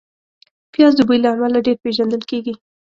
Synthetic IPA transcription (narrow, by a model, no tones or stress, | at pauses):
pjɑzd̪əbəjilaamalaɖeɾpeʒand̪əlkeɡi